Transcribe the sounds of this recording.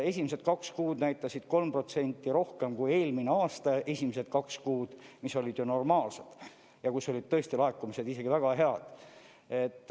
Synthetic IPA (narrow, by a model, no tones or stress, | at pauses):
e̞sʲimese̞t̪̚kɑkskuːd̪̥næjt̪ːˑɑsid̪̥ko̞lmpro̞t̪se̞nʲt̪ˑːiɾo̞hke̞mkuje̞ːlmineɑːst̪ɑe̞sʲimese̞t̪̚kɑkskuːd̪̥miso̞lʲid̪̥jono̞rmɑːlsed̪̥ | jɑkuso̞lʲid̪̥̚t̪ɤ̞est̪ilɑekːˑumise̞d̪ise̞ɡivæɡ̥ɑɦe̞ɑd̪̥ | e̞t̪ːˑ